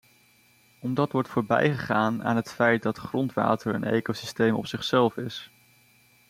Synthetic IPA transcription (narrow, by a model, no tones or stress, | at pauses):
ɔmdɑtʋɔɹtfʊːɹbɛ̰jχəχaːna̰ːnɦətfɛjt̚dɑtχrɔntʋa̰ːtəɹə̰nḛjkowsi̥stejmɔ̰psɪχsɛlˠfɪs